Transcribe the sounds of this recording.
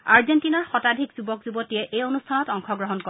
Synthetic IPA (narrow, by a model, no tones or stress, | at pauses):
aɹzentinaɹxɔtadʱikz̥ubɔkzubɔtijɛʔejonustʰanɔtɔŋkʰɔɡɹɔɦɔnkɔ